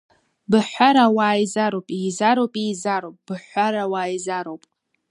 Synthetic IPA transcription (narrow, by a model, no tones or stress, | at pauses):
bɨħʷaɾawaːjzaɾowpʼiːzaɾowpʼiːzaɾopʼb̥ɨħʷaɾawaːjzaɾowpʼ